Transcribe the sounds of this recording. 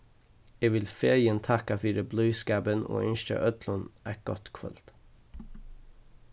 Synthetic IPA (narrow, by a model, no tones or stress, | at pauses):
eʋɪlfeːɹjənt̪ʰɑkɑfyːɾəblœʏskæbəno̰ːʏnʃtə̰ʔœt̪ʰlɔnæʈ̚ɡ̥ɔt̪kʰʋœ̰lt̪